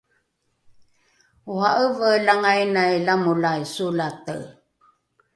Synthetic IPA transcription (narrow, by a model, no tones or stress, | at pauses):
uɦaʔəvəlaŋajnajlamulajsulatə̰